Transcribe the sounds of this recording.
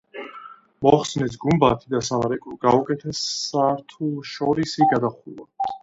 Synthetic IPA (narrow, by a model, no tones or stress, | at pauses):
mɔχsnɛs̬ɡumbat̪ʰid̪asamaɾɛkʼuɡaukʼɛt̪ʰɛsaɾt̪ʰulˠʃɔɾisiɡad̪aχula̰t̪ʰ